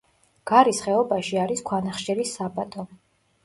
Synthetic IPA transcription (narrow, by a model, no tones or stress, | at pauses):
ɡ̥aɾisχɛɔbaʃiaɾiskʰwanaχʃɛɾisːabʼat̪ʼɔ